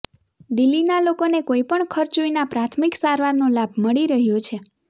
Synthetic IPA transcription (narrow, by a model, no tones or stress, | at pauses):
d̪ilːinalokonekoipəɳkʰəɾt͡ʃoinapɾat̪ʰmiksaɾʋaɾnõlabʱməɭiɾəɦjot͡ʃʰe